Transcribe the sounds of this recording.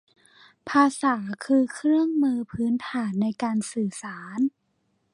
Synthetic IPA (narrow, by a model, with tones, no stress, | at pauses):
pʰaː˧saː˩˦kʰɯː˧kʰɾɯ˥˩əŋmɯː˧pʰɯː˦˥nt̪ʰaː˩˦nːa˧jkaː˧nsɯː˨˩saː˩˦n